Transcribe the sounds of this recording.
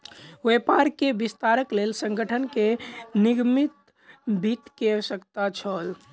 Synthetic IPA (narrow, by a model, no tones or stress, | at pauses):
wepaɾkebist̪aɾəklelsə̃ŋɡəʈʰənkeniɡmit̪ | bit̪kesəkt̪at͡ʃʰəl